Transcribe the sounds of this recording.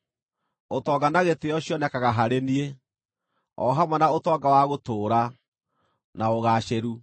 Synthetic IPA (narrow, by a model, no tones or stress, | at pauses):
otɔɡanaɣeteɔɕjɔnɛkaɣaɦaɾenie | ɔ̰ɦamwɛnaotɔːɡawaɣotoːɾa | naoɣaɕeɾu